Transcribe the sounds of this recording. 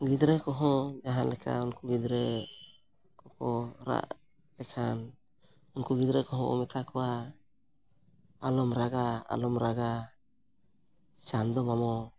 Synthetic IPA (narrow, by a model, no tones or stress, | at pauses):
ɡid̪ɾɛkɔɦɔ̃d͡ʒaɦanlɛkʰa̰unkuɡid̪ɾɛ | kɔkɔɾa̰ʔ | lɛkʰan | unkuɡid̪ɾɛkɔɦɔ̃ɔ̰mɛt̪ʰakɔwa | alɔmɾaɡaa̰lɔmɾaɡa | sand̪ɔmamɔ